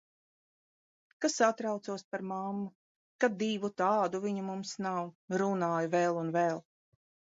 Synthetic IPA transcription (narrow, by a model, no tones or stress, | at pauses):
kasat̪ɾawt̪suɔspaɾmamːu | kad̪iːvut̪ɑːd̪uviɲumumsnawɾunaɑːjuvɛlˠunvɛːlˠ